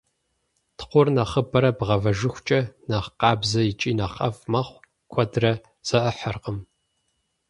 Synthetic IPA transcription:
tʰqʷʊrnɐχəbɐɾɐbʁɐvɐʒɨxʷt͡ʃʼɐnɐχqɑːbzɐjɪt͡ʃʼiːnɐqɐfmɐχʷ | kʷʰɔdrɐ | z̥ɐʔɐħɐrqəm

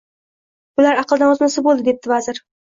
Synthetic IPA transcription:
bʊlaɾɑqlˠd̪anɒznɪsɪbolˠd̪ɪd̪e̞p̚t̪ɪvazɪɾ

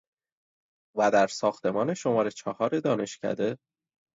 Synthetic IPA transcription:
væd̪æɾsɒːxt̪e̞mɒːneʃo̞mɒːɾe̞t͡ʃʰɒhɒːɾed̪ɒːne̞ʃcʰæ̰d̪e̞

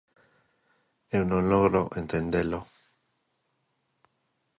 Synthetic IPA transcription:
ewnõnloɣɾoʔent̪end̪elo

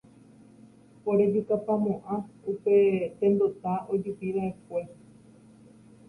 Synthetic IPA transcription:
poɾebikapamõʔãupe̞t̪ẽ̞nd̪ot̪aʔo̞d͡ʒupiʋaepʷe̞

